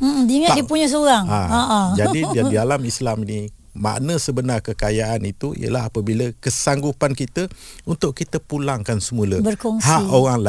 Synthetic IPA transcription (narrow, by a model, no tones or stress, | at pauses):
m̩m̩diŋətdipuɲəs̬oɾaŋaaʔad͡ʒadiadidalamislamini | ma̰ʔnəsəbənarkəkajaʔanit̪uḭjə̰laɦapəbiləkəsaŋɡupankit̪əunt̪ʊʔkit̪əpulaŋkansəmuləbərkoŋshaʔoɣaŋla